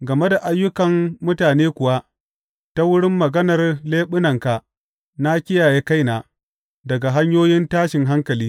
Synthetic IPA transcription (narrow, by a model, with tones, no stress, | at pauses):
ɡɐ˨me˦da˨ʔa˦jːʊ˦kɐ˨mːʊ˦taː˨neː˦kʷʊ˨wa˦ | ta˦wʊ˦ɽɪ˦mːɐ˨ɡɐ˦nɐ˨rleː˦ɓʊ˦nɐ˨ŋka˨ | na˦kʲɪ˦jaː˨je˦ka˦jnaː˨ | dɐ˨ɡa˨ɦa˦ɲjoː˦jɪ˦ntaː˦ʃɪ˨ŋɦa˦ŋkɐ˨liː˦